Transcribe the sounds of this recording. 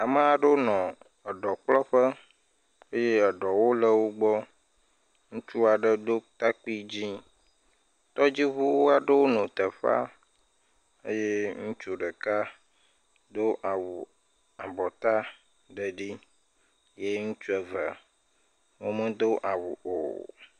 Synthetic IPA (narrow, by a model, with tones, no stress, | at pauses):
a˨mə˦a˨ɖo˦nɔ̃˨ | ə˨ɖɔ˨k͡plɔ˦ɸə˦ | e˦je˦ə˨ɖɔ˨wo˦lə˦wo˦ɡ͡bɔ˦ | ŋũ˦t͡ʃu˦a˨ɖə˦d̪o˦t̪a˦k͡pi˦d͡ʑi˦ | t̪ɔ˦d͡ʑi˦βu˦wo˦a˨ɖə˦wo˦nõ˨t̪ə˨ɸa̰˦ | ḛ˦je˦ŋũ˦t͡ʃu˨ɖə˨ka˦ | d̪o˦ʔa˨wu˨ | a˨bɔ˨t̪a˦ | ɖə˨ɖi˦ | je˦ŋũ˦t͡ʃu˦ɛ˨və̰˨ | wo˦mə̃˦d̪o˦ʔa˨wṵ˨ʔo̰˨